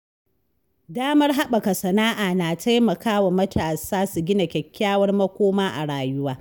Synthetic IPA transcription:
daː˦mɐ˦rɦa˦ɓɐ˨ka˨sɐ˨naː˦ʔaː˨naː˨tʰa˦jmɐ˨kaː˦wa˨mɐ˦tʰaː˨saː˦su˨ɡʲɪ˦na˨kʲɛ˨kʲːaː˦wɐ˦rmɐ˦kʷoː˦maː˦ʔa̰˨ɽaː˨jʊ˦waː˦

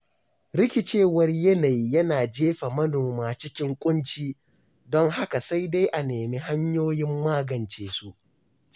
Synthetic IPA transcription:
ɾɪ˦kʲɪ˨t͡ʃeː˦˨wɐ˦rjɐ˦na˨ji˦jɐ˦naː˨d͡ʒeː˦ɸa˨mɐ˦noː˨maː˨t͡ʃɪ˦kʲɪ˦ŋkʷʼʊ˦nt͡ʃiː˦ | dɔ˦ŋɦa˦ka˨sa˦jda˦jʔa˨neː˨mi˦ɦa˦ɲjoː˦jɪ˦mːaː˦ɡɐ˨nt͡ʃeː˨su˦ʔ

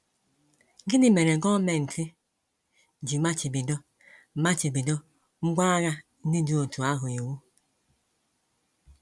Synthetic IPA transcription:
ɡi˦ni˦me˨ɾe˨ɡɔ˦me˨n̩˨tʰi˦˨ | d͡ʒi˨ma˦t͡ʃi˨bi˨dɔ˦˨ | ma˦t͡ʃi˨bi˨dɔ˦ | ŋ͡m̩˦ɡ͡bʷa˦ɣa˦ | ni˦du˦o˨tʰu˨a˦ɦʊ˨o˨wu˦

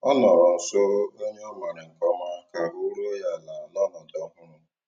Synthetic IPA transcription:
ɔ˦nɔ˨ɾɔ˨n̩˨so˦ɾo˦o˦ɲe˦ɔ˦ma˨ɾɪ˨ŋ̩˨kɔ˦ma˦ka˨u˦ɾo˦ja˦˨la˨la˦nɔ˨dɔ˦ɦʊ˦ɾʊ˦

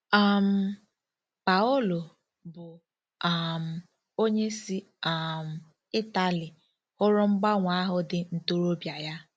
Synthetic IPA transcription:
a˨m̩˨ | pa˨ʊ˦lʊ˨ | bʊ˨ | a˨m̩˨ | o˦ɲe˦si˦ | a˨m̩˨ | ɪ˦ta˨lɪ˨ | hʊ˦ɾʊ˦ŋ͡m̩˦ɡ͡ba˦ŋʷa˦ɦʊ˦dɪ˦n̩˨to˦ɾo˦bja˨ja˦

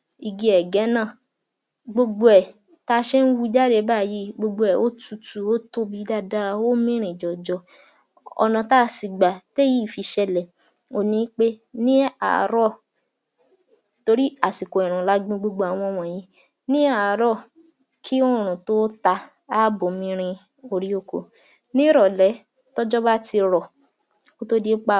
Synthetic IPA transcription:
i˧ɡi˧˦ɛ˨ɡɛ˨˦nãː˦˨ | ɡ͡bo˧ɡ͡bo˧ɛ˨ | ta˦ʃɛ˦n̩˦wu˦i˧˦d͡ʒa˦de˧˦ba˦˨ji˨˦ɡ͡bo˧ɡ͡bo˧ɛ˨ʔo˦tu˧tu˨o˦to˦bi˨˦da˦˨da˦o˦mĩ˦ɾ̃ĩ˨d͡ʒɔ˨d͡ʒɔ˧˦ | ɔ̰˧nã˧ta˦si˨ɡ͡ba˨te˦ji˦˨fi˧ʃɛ˧lɛ˨ | o˨nĩ˨˦k͡pe˦nĩ˦a̰˨ɾɔ˦˨ | to˧ɾi˦a˨si˨ko˨ɛ˨ɾ̃ũ˨la˨˦ɡ͡bĩ˦ɡ͡bo˧ɡ͡bo˧˦a˨w̃ɔ̃˧˦w̃ɔ̃˧˨jĩ˨˦ | nĩ˦a˦˨ɾɔ˦˨ | kʰi˦o˦˨ɾ̃ũ˨to˦ta˧ | a˦˨bo˨mĩ˧˦ɾ̃ĩ˧ | o˧ɾi˦o˦˧˨ko̰˨ | nĩ˦ɾɔ˨lɛ˨˦ | tɔ˦d͡ʒɔ˦ba˦ti˧ɾɔ˨ | ko˦to˦di˦k͡pa˦

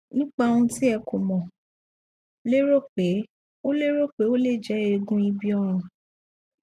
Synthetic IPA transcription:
nĩ˦k͡pa˧o˧ũ˧ti˦ɛ˧ko˨mɔ̃˨ | le˦ɾo˦˨k͡pe˨˦ | o˦le˦ɾo˦k͡pe˨˦o˦le˦˨d͡ʒɛ˨˦e˧ɡũ˦i˧bi˦ɔ˦ɾ̃ɔ̃˨

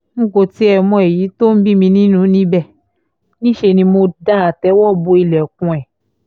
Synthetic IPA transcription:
ŋ̩˦ko˧ti˨˦ɛ˧mɔ̃˧˦e˨ji˨˦to˦n̩˦bi˦mĩ˧nĩ˦nũ˨˦nĩ˦bɛ˦˨ | nĩ˦ʃe˧nĩ˧mo˧da˦a˨tɛ˨˦wɔ˦˨bo˧i˧lɛ˨kũ˧ɛ˨

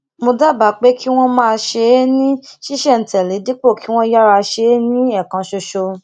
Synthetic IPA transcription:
mo˧da˦˨ba˨˦k͡pe˦ki˦w̃ɔ̃˦mãː˦˧ʃe˧˦nĩ˦ʃi˦ʃɛ˦˨n̩˨tɛ˨le˨˦di˦k͡po˦˨ki˨˦w̃ɔ̃˦ja˦ɾa˧ʃe˧˦nĩ˦ɛ˦˨kã˧ʃo˧ʃo˧

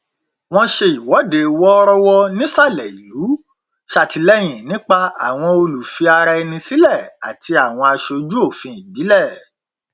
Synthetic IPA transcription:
w̃ɔ̃˧ʃe˧i˨wɔ˨˦de˨wɔ˦ɾɔ˦wɔ˦nĩ˦sa˦˨lɛ˨i˨lu˨˦ | ʃa˦˨ti˧lɛ˦j̃ĩ˨nĩ˦k͡pa˧a̰˨w̃ɔ̃˧o˧lu˨fi˧a˧ɾɛ˧nĩ˧si˦lɛ˦˨a̰˨ti˧a˨w̃ɔ̃˧a˧ʃo˧d͡ʒu˦o˦˨fĩ˧i˨bi˨˦lɛ˦˨

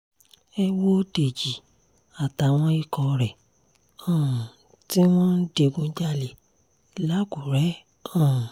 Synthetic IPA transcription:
ɛ˧wo˦de˨d͡ʒi˨ | a˨ta˨w̃ɔ̃˧˦i˦˨kɔ˧ɾɛ˨ | ɔ̃˦˨ | ti˦w̃ɔ̃˦de˧ɡũ˧˦d͡ʒa˦˨le˨ | la˦ɡu˨ɾɛ˨˦ | ɔ̃˦˨

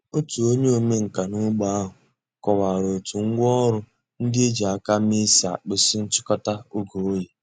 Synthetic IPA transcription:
o˦tu˨o˦ɲe˦o˨me˦ŋ̩˨ka˨nu˦ɡ͡ba˦a˦ɦʊ˨ | kɔ˨wa˨ɾo˨tu˨ŋ̩˦ɡʷɔ˦ɾʊ˦ | n̩˦dɪ˦e˦d͡ʒe˨a˨ka˦mi˦sa˨k͡pɪ˦sɪ˦n̩˦t͡ʃɪ˦kɔ˦ta˦u˦ɡo˨˦ji˨

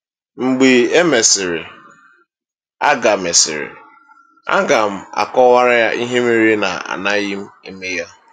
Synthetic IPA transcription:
ŋ͡m̩˨ɡ͡bi˨e˦me˨sɪ˨ɾɪ˨ | a̰˦ɡa˨me˨sɪ̰˨ɾɪ̰˨ | a̰˦ɡa˨m̩˦a̰˨kɔ˦wa˦ɾa˦ja˦ʔi˦ɦe˦mi˦ɾi˦na̰˨a̰˨na˦ɣi˦m̩˦i˨me˦ja˦

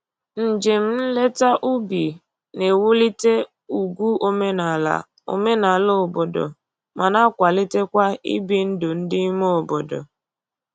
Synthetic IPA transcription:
n̩˨d͡ʒe˨m̩˦n̩˦le˦ta˦ʔu˦bi˨ | ne˨wu˦li˦te˦ | u˨ɡʷu˦ʔo˦me˦n̰˨ | o̰˨me˦na˨lo˦˨bo˨do̰˨ | mʔa˨na˦kʷa˨li˦te˦kʷa˦ḭ˦bi˨n̩˦dʊ˨n̩˦dɪ˦mo˦o˨bo˨dɔ̰˨

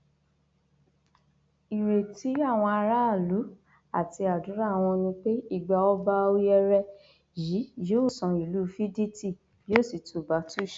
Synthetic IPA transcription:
i˨ɾe˨ti˨˦a˦˨w̃ɔ̃˧a˧ɾa˦˨lu˨˦ | a˦˨ti˧a˨du˨˦ɾa˦˨w̃ɔ̃˧nĩ˧k͡pe˦i˦˨ɡ͡ba˧˨ɔ˦ba˦o˧˦jɛ˧ɾɛ˧ | ji˨˦joː˦˨sɔ̃˨˧i˨lu˦˨˧fi˦di˦ti˦˨ | joː˦˨si˨tu˨ba˨˦tu˦˨ʃ

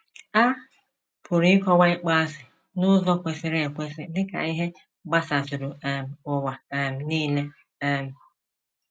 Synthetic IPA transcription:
a˦ | pʰʊ˨ɾi˦kɔ˦wa˦ɪ˦k͡pa˦a˦sɪ˨ | nʊ˦zɔ˦kʷe˨sɪ˨ɾe˦e˨kʷe˦sɪ˦dɪ˦ka̰˨i˦ɦe˦ | ɡ͡ba˦sa˨sʊ˨ɾʊ˨m̩˨ʊ˨wa˨m̩˨niː˦le˦ | ɛ˨m̩˨

